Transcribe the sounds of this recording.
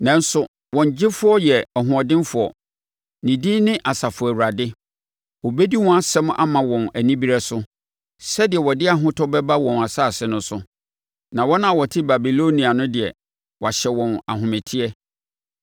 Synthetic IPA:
nã˨n˦sʊ˨ | wɔ̃˨ɲ˨d͡ʑɪ˦fʊ˦ɔ˦jɛ˨ɔ˨ɦʊ̃˨ɔ˨dɪ̃˦nfʊ˨ɔ̰˨ | nĩ˨di˦nɪ̃˦ʔa˨sa˨fʊ˨æ˨wu˨ɾa˨dɪ˦ | wɔ˨be˦di˦wɔ̃˦a˦sɛ˦m̃˦ʔa̰˦mã˨wɔ̃˨næ˨nĩ˦bi˦ɾɛ˦sʊ˦ | sɛ˦dɪ˨ɛ˨wɔ˨dɪ˦a˦ɦʊ̃˦tʰɔ˦bɛ˦ba˦wɔ̃˨n˨a˨sa˦˨sɛ˦nʊ̃˦sʊ˦ | nã˨wɔ˦nã˦˨wɔ˨tʰɪ˦ba˨bi˨lo˦nĩ˨a˨nʊ̃˦dɪ˨ɛ̰˨ | wɕɛ˨wɔ̃˨na̰˨ɦʊ̃˨mɛ˨tʰi˦ɛ˦

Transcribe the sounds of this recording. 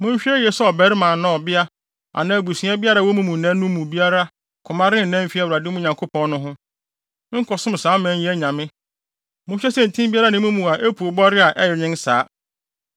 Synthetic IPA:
mʊ̃˦m̩˦ɕᶣɛ˦jɛ˨sɔ˦ɔ˨bɛ˨ɾɪ˦mãː˨nã˦ɔ˨bɪ˦a˦ | a̰˨nã˨æ˨ɡu˨sĩ˨˦ɛ˦bɪ˦a˦ɾa˦˨wɔ˦mũ˦mũ˨nã˦nũ˦mũ˨bi˦a˦ɾa˦ | kʰʊ̃˨mã˦ɾɪ̃˦n˨nɛ̃˦m̩˦fi˦a˦˨wɾa˨dɪ˦mʊ̃˦ɲã˨ŋkʰo˦pʰɔ̃˦nnʊ̃˦ɦʊ̃˦ | ɪ̃˦ŋ̩˦kʰɔ˨sʊ̃˦m˨sãː˨˦mɛ̃˨˦ɛ˦æ˦ɲã˨mɪ̃˦ | mʊ̃˦ɕᶣɛ˦sɛ̃˦n˨tʰĩ˦mbi˦a˦ɾa˦nɪ̃˦mũ˦mũ˨a˨ʔe˦pʰu˨o˨bɔ˦ɾɪ˦a˨ʔɛ˦jɛ˨ɲɪ̃˦nsaː˨˦

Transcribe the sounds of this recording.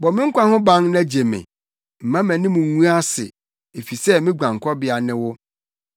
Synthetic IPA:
bɔ˨mɪ̃˦ŋ̩˦kʷʰã˦hʊ̃˦bã˦ŋnã˦d͡ʑe˨mɪ̰̃˨ | m̩˨mã˦mæ̃˨nɪ̃˦mũ˨˦ũ˦a˦sɪ̰˨ | e˨fi˨sɛ˦mɪ̃˦ɡã˨ŋ˨kʰɔ˦bɪ˦a˨nɪ̃˦wʊ˦

